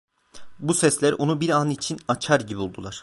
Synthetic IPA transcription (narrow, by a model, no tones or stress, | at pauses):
busɛslʲæɾʔo̞nubiɾanit͡ʃʰinat͡ʃʰaɾɟibiulˠd̪ulˠaɾ̥